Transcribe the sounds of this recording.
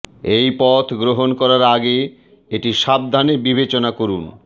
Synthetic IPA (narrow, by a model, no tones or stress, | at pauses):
ejpɔt̪ʰɡɾoɦonkɔɾaɾaɡe | eʈiʃab̚d̪ʱaneɾbibet͡ɕonakoɾun